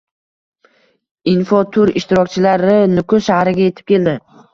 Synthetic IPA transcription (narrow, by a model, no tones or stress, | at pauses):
ɪnfɒt̪ʰʊɾɪʃt̪ɪɾɒk̚ʲt͡ʃʰɪlaɾɪnʊkʰʊʃahɾɪɡʲaje̞t̪ʰɪp̚kʲʰe̞ld̪ɪ